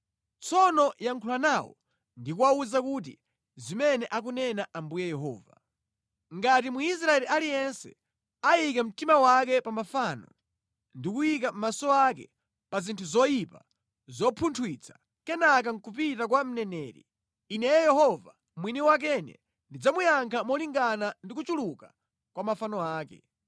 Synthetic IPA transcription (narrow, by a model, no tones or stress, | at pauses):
t͡sʰɔnɔjaŋkʰulanaːwɔ̰ | ndikuwauzakut̬ḭ | zimɛnɛʔak̬unɛnaʔambujɛjɛɦɔ̰ːva | ŋɡat̬imwiis̬ɾaɛlialijɛnsɛ̰ | ajikɛm̩timawakɛpamafaːnɔ̰ | ndikujik̬am̩masɔakɛ̰ | pazintʰuzɔjipa | zɔpʰuntʰwit͡sʰḁ | kɛnak̬aŋ̩kupitak̬wam̩nɛnɛːɾḭː | nɛjɛjɛhɔva | mwiniwak̬ɛnɛ̰ | ndid͡zamujaŋkʰamɔliŋɡanandikut͡ʃuluka | kwamafanɔaːkɛ̰